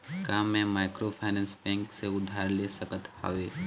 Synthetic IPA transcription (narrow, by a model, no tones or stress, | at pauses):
kaːmẽmaːɪkɾopʰaːnɛ̃ːnsbɛ̃ːŋkseʊd̪ʱaːɾlesəkət̪ha̰ʋeː